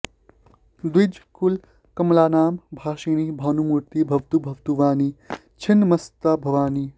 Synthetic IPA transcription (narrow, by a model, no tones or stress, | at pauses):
d̪wid͡ʒkul | kɐmlaːnaːmbʱaːʃiːñibʱaːnumuɾt̪ibʱɐʋt̪ubʱɐʋt̪uʋaːni | t͡ʃʰinmɐst̪abʱɐʋaːni